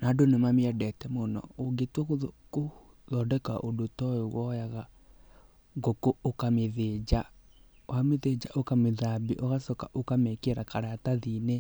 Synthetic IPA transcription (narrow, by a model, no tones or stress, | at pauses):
nadonemameɛdɛtɛmonɔ̰oɡetwɔkko | ðɔdɛka̰ʔodotɔɔɣwɔjaɣa | ŋɡokookameðed͡ʒa | oameðed͡ʒaʔokameðabiʔoɣasɔkaʔokamɛkeɾakaɾataðine